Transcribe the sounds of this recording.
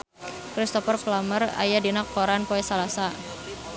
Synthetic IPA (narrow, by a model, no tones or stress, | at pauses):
kɾist̪ɔfərplaməra̰jadinak̚poɾanpoɛsalasa